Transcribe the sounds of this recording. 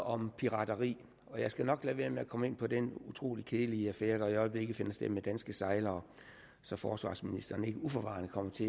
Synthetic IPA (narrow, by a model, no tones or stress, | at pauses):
ɒ̽mpʰiʁɑ̈d̥ɐʁḭː | ɒ̽jɑ̈ɪsɡ̥ænɒ̽ɡ̥lɛʋe̝ːɐmeækʰɒ̽me̝n̰pʰɒ̽d̥enut͡sʰʁo̝̰ːlikʰeːliəæfeːɐɾ̥ɑ̈iɒ̽ɪəb̥le̝ɡ̥ð̩ˠfe̝nɐsd̥emed̥ænsɡ̥əsɑ̈ɪlɐɒ | sɒ̽fɒːsʋɑ̰̈ːsminisd̥ɐːn̩e̝ɡ̥əufɒʋɑ̰̈ːnəkʰɒ̽m̰ɐt͡sʰe̝